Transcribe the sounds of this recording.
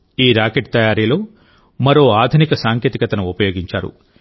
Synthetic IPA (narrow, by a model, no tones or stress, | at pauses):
iːɾaːkeʈ̚t̪ɐjaːɾilo̞ː | mɐɾo̞ːaːd̪ʱunikɐsaːŋkeːt̪ikɐt̪ɐnuupɐjo̞ːɡiɲt͡ʃaːɾṵ